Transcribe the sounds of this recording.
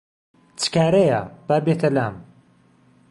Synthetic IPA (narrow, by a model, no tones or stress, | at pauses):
t͡sɨ̥kaːɾɐja̰b̥aːbeːt̪ʰɐlaːm